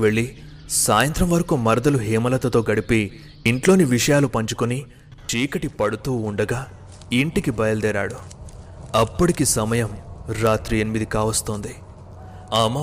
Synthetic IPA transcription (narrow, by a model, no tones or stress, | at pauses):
ʋe̞ɭːi | saːjɐnt̪ɾɐmʋɐɾɐkumɐɾɐd̪ɐluɦiːmɐlɐt̪ɐt̪o̞ːɡɐɽipiː | ɳʈlo̞ːniʋiʂɐjaːlupɐɲt͡ʃu̥koni | t͡ʃiːkɐʈipɐɽut̪uːɳɖɐɡaː | iɳʈikibɐjɐld̪ɛːɾa̰ːɽu | ɐpːɐɽikisɐmɐjɐmɾaːt̪ɾienimid̪ikaːʋɐst̪oːnd̪i | ama